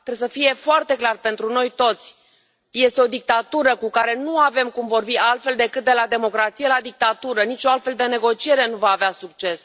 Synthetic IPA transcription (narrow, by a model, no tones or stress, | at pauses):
t̪ɾes̬əfije̞foart̪e̞klarpe̞nt̪ɾuno̞jt̪o̞t̪sʲ | je̞st̪e̞o̞d̪ik̚t̪at̪uɾəkukaɾe̞nuave̞mkumvo̞rbialt̪fe̞ld̪e̞kɨt̪̚d̪e̞lad̪e̞mo̞kɾat̪sijelad̪ik̚t̪at̪uɾənit͡ʃoalt̪fe̞ld̪e̞ne̞ɡo̞t͡ʃieɾe̞nuvaːveasukt͡ʃe̞s